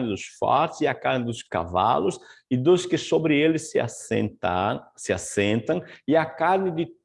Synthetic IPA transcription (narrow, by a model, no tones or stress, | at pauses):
nɪd̪ʊsfɔ̰ɾt̪ɪ̥sɪakaɾnɪd̪ʊska̰va̰lʊsɪd̪ʊskɪsobɾɪelɪsɪa̰st̪asɪasẽnt̪ɐ̃ŋɪakaɾnɪd̪ɪ